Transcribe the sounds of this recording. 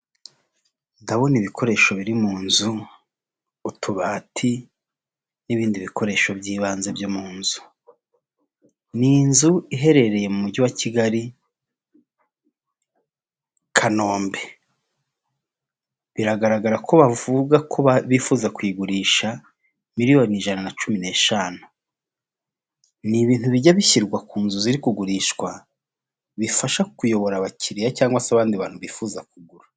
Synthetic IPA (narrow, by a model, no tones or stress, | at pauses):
ndaβo̞niβikʰo̞ɾe̞ːʃo̞βiɾimuːnzu | tʰuβaːtʰi | niβiːndiβikʰo̞ɾe̞ːʃo̞bɟiːβaːnzebɟomuːnzu̥ | niːnzuiɦe̞ɾe̞ɾe̞jemumuɟuwaciɡaɾi | kʰano̞ːmbe̞ | βiɾaɡaɾaɡaɾako̞βavuɡakʰoββifuːzakwiɡuɾiːʃa | miɾijo̞niʒananat͡ʃumine̞ːʃanu̥ | niβiːntuβiɟaβiçiɾɡwakuːnzuziɾikuɡuɾiʃkwa | βifaʃakujo̞βo̞ɾaβaciɾijacaːŋɡwasaβaːndiβaːnhuβiːfuzakuɡuɾḁ